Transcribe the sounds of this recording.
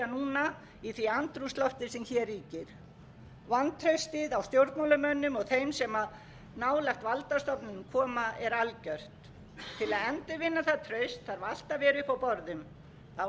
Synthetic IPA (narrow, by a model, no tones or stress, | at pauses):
anuːna | iθviant̪ɾust̪lɔht̪ɪ̥sɛmçɛrːiːcɪɾ̥ | vant̪ʰɾœɥst̪ɪðawst̪jowɾt̪mawlʏmœnːʏmɔɣθejmsɛmað | naːwlɛxt̪valt̪ast̪ɔpnʏnmkʰɔːmaɛɾalcœr̥t̪ | t̪ʰɪlaðɛnt̪ɪvɪnːaθaðt̪ʰɾœɥst̪θaɾvaal̥t̪avɛːɾʏhpawpɔɾðʏm | θa